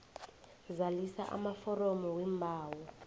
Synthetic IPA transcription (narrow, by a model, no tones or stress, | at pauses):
zalisaʔa̰mafɔrɔmɔwɛmbʱaːwɔ